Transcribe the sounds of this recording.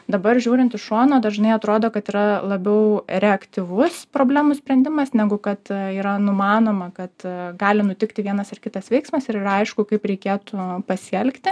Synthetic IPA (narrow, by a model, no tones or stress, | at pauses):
d̪ɐbɐrʒʲuːɾʲɪnt̪ɪʃʃuːnoːd̪ɐʒnɐɪɐt̪ɾoːd̪oːkɐt̪iːɾɐlˠɐbʲɛʊɾʲɛɐkt̪ʲɪʋʊspɾoːbʲlʲæːmʊsʲpʲɾʲɛnd̪ʲɪmɐsnʲæɡʊkɐt̪iːɾɐnʊmɑːnoːmɐkɐt̪ɡɑːlʲɪnʊt̪ʲɪkt̪ʲɪʋʲiɛnɐsɪrkʲɪt̪ɐsʋʲɛɪksmɐsɪɾɪɾɐɪʃkʊkɐɪpɾʲɛɪkʲeːt̪ʊpɐsʲɛlʲkt̪ʲɪ